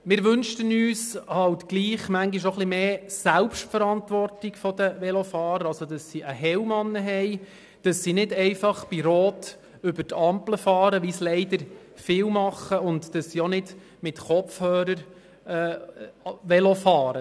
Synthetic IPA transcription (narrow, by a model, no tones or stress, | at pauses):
mɪːɾʋʏnʃtənyːshɑltɡ̥liːχmæŋɡiʃoχlimeːsælpʃtfəɾɑntʋɔrtiɡfɔd̥̪əʋɛlofɑːɾəɾɑlsodɑsːiʔəɦɛwmɑnːəɦɛɪ | d̥ɑsːinɪdɛɪfɑχb̥iɾoːt | ʏbəɾtɑmpləfɑːɾəʋislɛɪdəɾ | fɪwmɑχːəʊndd̥ɑsːionɪd | mɪtχɔfhœːɾəɾ | ɛː | ʋɛlofɑːɾə